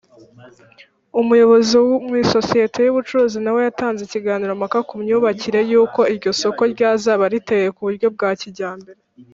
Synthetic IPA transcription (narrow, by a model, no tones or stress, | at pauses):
umujo̞βo̞ziwmwiːso̞sijetʰe̞juβut͡ʃuɾuːzinawe̞jataːnzeciɡaːniɾomakakumɲuːβaciɾe̞juːko̞iɾɟo̞so̞ko̞ɾɟaːzaβaɾiteje̞kuβuɾɟo̞b̚ɡaːciɟaːmbeɾe